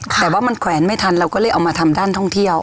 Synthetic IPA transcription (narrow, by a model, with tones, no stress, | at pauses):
t̪ɛː˨˩waː˥˩ma˧nkʰwɛː˩˦nma˥˩jt̪ʰa˧nɾa˧wkɔː˥˩lɤː˥˩jʔa˧wmaː˧t̪ʰa˧mdaː˥˩nt̪ʰɔ˥˩ŋt̪ʰi˥˩əw